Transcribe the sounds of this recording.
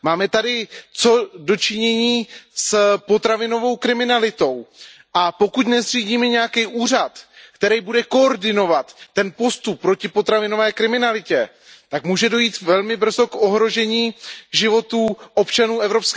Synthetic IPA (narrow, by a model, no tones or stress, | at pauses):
maːmɛt̪adɪt͡so̞do̞t͡ʃɪɲɛɲiːspo̞t̪ɾavɪno̞vo̞wkɾɪmɪnalɪt̪o̞w | ʔapo̞kut̪nɛzr̝iːɟiːmɛɲɛjakɛjʔuːr̝at̪kt̪ɛɾɛjbudɛko̞oɾdɪno̞vat̪ːɛnpo̞st̪upːɾo̞cɪpo̞t̪ɾavɪno̞vɛːkɾɪmɪnalɪcɛ | t̪akmuːʒɛdo̞jiːt̪vɛlmɪbr̩zo̞ko̞ɦɾo̞ʒɛɲiːʒɪvo̞t̪uːʔo̞pt͡ʃanuːɛvɾo̞psk